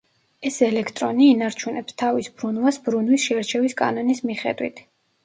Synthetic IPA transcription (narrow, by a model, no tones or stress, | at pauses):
ɛsɛlɛkʰt̪ʼɾɔniːnaɾt͡ʃʰunɛpst̪ʰavisbɾunwasbɾunwisʃɛaɾt͡ʃʰɛviskʼa̰nɔnismiχɛ̰d̪wḭt̪ʰ